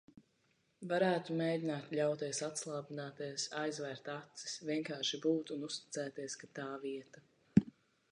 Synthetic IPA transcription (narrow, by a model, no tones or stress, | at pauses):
vaɾæːt̪umeːdʲinaːt̪lʲawt̪iɛsat̪slˠaːbinaːt̪iɛsajzvɛːɾt̪at̪si̥svʲiɛŋkaːɾʃibuːt̪unust̪i̥t̪sɛːt̪iɛskat̪aːviɛt̪a